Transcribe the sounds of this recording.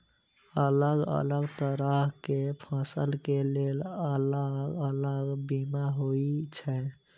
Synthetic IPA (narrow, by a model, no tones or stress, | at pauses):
ələɡə̰ləɡt̪əɾəɦkepʰãsəlkelelələɡələɡbimaɦoit͡ʃʰɛ